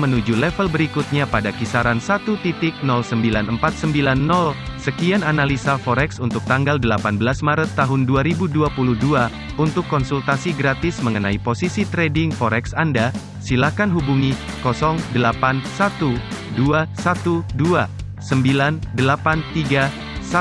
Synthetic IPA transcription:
mənud͡ʒulɛfəlbəɾikut̪̚ɲapadakisaɾansat̪ut̪it̪ɪk̚nɔlsəmbilanəmpat̪̚səmbilanːɔlsəkiananalisafɔɾɛksunt̪ʊk̚t̪aŋɡaldəlapanbəlasmaɾət̪ːaɦʊnduaɾibuduapuluhdua | unt̪ʊkːɔnsult̪asiɡɾat̪ɪsməŋənaiposisit̪ɾɛdɪŋfɔɾɛksanda | silakanɦubuŋi | kɔsɔŋdəlapansat̪uduasat̪udua | səmbilandəlapant̪iɡa | sa

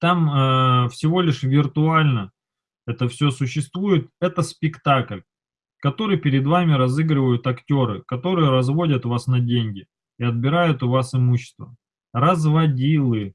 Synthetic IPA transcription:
t̪aməfsʲɪvo̞lʲɪʂvʲɪrt̪ʊalʲnə | ɛt̪əfsʲo̞sʊɕːɪst̪vujɪt̪̚ɛt̪əspʲɪkt̪aklʲ | kɐt̪o̞ɾɨjpʲɪɾʲɪd̪vamʲɪɾɐzɨɡɾɪvəjʊt̪ɐktʲo̞ɾɨkɐt̪o̞ɾɨjəɾɐzvo̞dʲət̪vasnɐdʲenʲɡʲɪ | ɪɐd̪̚bʲɪɾajʊt̪ʊvasɨmuɕːɪ̥st̪və | rəzvɐdʲilˠɨ

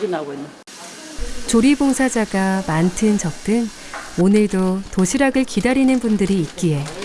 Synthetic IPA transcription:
n | t͡ɕoɾiboŋsʰad͡ʑaɡamantʰɯnt͡ɕʌk̚t͈ɯŋ | onɯɭdotoɕʰiɾaɡɯɭkidaɾinɯnbundɯɾiːt̚k͈ie̞

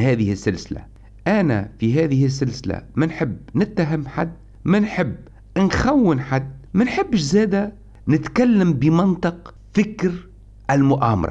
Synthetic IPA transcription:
hæːðɪhɪsːɪlsɪla̰ | ʔana̰fiɦæːðɪhɪs̬ːɪlsɪla̰mænħɪbːnɪt̪ːaɦɪmːħa̰d̪ː | mænħɪbː | nxawːɪnħad̪ːmænħɪbːɪʃzæːd̪æ | nɪt̪kalːambɪmɪnt̪ˤɨq | fɪkɾ | ʔælmʊʔaːmɑ̰ɾˤɑ̰

